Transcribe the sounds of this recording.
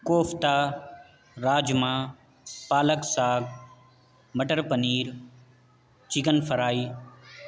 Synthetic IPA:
koːft̪aː | ɾaːd͡ʒmãː | paːləksaːɡ | məʈəɾpəniːɾ | t͡ʃɪɡənfəɾaːiː

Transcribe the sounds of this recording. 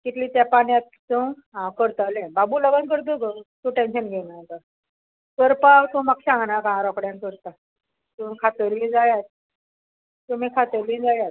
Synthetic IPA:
kit̪liːt̪japaɳjãt̪̚tu | ɦãkəɾt̪alẽbabuːləɡənkəɾt̪̬əkət̪ũʈenɕənɡʱenãt̪ə | kəɾpawt̪ũːmakɕãŋɡnakããɾɔkɽjãnkəɾt̪a | t̪ũkʰat̪əɾʋĩd͡zajat̪̚ | t̪um̤iːkʰat̪əɾʋĩd͡zajat̪̚

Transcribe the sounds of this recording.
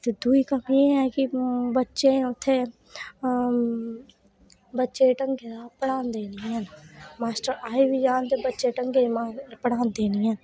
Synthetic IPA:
t̪ed̪uikəmjeɦɛːkibətːʃẽʊt̪ʰːe | bətːʃẽʈəŋɡeɾaːpəɽaːnd̪eːnianmaːsʈəɾaːibid͡ʒaːnt̪ebətːʃeʈəŋɡemapəɽ̤aːnd̪eːniaːn

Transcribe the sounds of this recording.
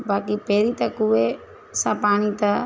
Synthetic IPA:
baːkipeːɾit̪ɐkue | sapaːɽ̃it̪ɐ

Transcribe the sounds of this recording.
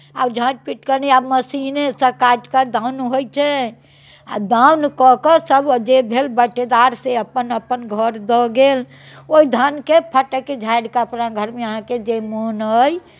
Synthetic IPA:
abd͡ʒʱãt͡ʃpiʈkəɾniabməsinesəkad͡ʒkad̪ãwnɦojt͡ʃʰɛ | a̰d̪awnkɔkɔsəbd͡ʒebʱelbəʈed̪aɾseəpːənəpːənɡʱəɾd̪ɔɡel | oid̪ʱankepʰəʈəked͡ʒʱajɽkaəpɾãɡʱəɾmeəɦãked͡ʒemonəj

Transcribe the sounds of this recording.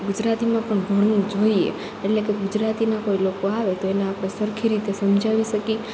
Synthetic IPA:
ɡud͡ʒɾat̪imãpəɳɡʱəɽũd͡ʒoiḛ | eʈlekeɡud͡ʒɾat̪inakoilokoaʋet̪oeneapɽ̃esəɾkʰiɾit̪esəmd͡ʒʱaʋiʃəki

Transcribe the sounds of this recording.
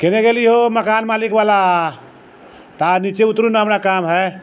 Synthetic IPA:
keneɡeliɦoməkaːnmalikʋaːla | t̪anit͡ʃeut̪ːɾunaɦɐmnakamɦɛ

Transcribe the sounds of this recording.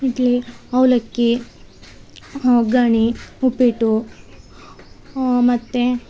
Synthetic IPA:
id̪liɐwlɐkːi | ɡaɳiupiʈu | mɐt̪ːe

